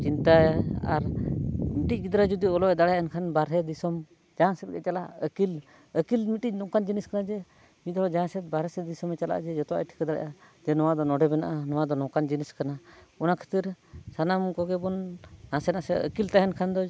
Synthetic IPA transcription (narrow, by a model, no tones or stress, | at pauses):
t͡ʃint̪aa̰ɾmiʈic̚ˀɡid̪ɾad͡ʒud̪iɔlɔɛd̪aɽajankʰanbaɾɛd̪isɔm | d͡ʒãsɛt̪̚ɡɛ̰t͡ʃala̰ʔəkil | əkilmiʈic̚ˀnɔkand͡ʒiniskanad͡ʒɛ | mit̪ɔd͡ʒãsɛt̪̚baɾɛsɛd̪isɔmɛt͡ʃala̰ʔd͡ʒɛd͡ʒɔt̪ɔwa̰ʈʰi̥kad̪aɽa̰ʔad͡ʒɛnɔwad̪ɔnɔɖɛbɛna̰ʔanɔwad̪ɔnɔ̃kand͡ʒiniskanaɔnakʰə̥t̪iɾsanamkɔɡɛbɔnːãsɛnasɛə̰kilt̪aɦɛnkʰand̪ɔ